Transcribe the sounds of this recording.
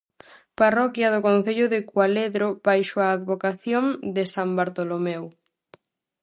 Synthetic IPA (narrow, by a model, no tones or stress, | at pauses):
parɔkjɐð̞ʊkõnθeʎʊðekwaleðɾobajʃoaːðβokaθjoŋd̪ɪsambaɾt̪olomew